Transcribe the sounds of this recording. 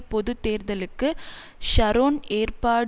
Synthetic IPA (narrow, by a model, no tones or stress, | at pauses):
pɔðɯt̪ːeːɾðɐlɯkːɯ | ʃɐɾoːneːrpaːɽ